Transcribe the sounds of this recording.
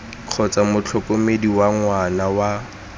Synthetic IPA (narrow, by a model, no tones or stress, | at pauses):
q͡χʰɔt͡samʊt͡ɬʰɔkʼomediwaŋwanawa